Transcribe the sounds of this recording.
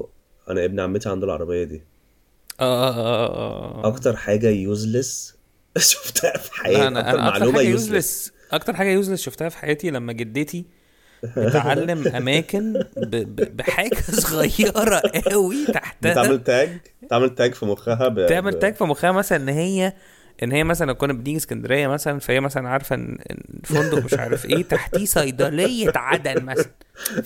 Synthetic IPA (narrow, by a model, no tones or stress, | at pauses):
ʔæ̰næʔebniʕamːet̪iʕand̪olʕɑ̰ɾˤɑbejːɑd̪iː | ʔæ̰ː | ʔɑkt̪ɑɾˤħaːɡæjuːzles | ʃo̥ft̪æhæfi̥ħajæænæ̰ʔæ̰ʔɑʕlɾuːmmæjuzles | ʔɑkt̪ɑɾˤħaːɡæjuːzlesʃoft̪æhæfi̥ħajæːt̪ilæmːæɡed̪ːet̪i | meʕalːemʔæmæːkenbebbeħaːɡæssoɣɑjːɑɾˤɑʔæwit̪aħt̪æʕmelt̪æːɡ̪ | eʕmelt̪æːɡfimoxæɦæbt̪eʕmelt̪æːɡfimoxæhæmæsælænʔenːɦejːæ | ʔenːhejːæmæsælænkuːnbeniːɡiskænd̪eɾejːæmæsælænfæhejːæmæsælænʕɑːɾˤfʔḛnːḛnːfond̪omeʃʃʕa̰ːɾefʔeːt̪aħt̪iːsɑjd̪ɑlejːet̪ʕad̪ælmæsælæn